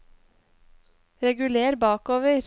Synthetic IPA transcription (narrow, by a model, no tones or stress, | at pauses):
ɾɛɡʉleːɾbɑːkoːʋəɾ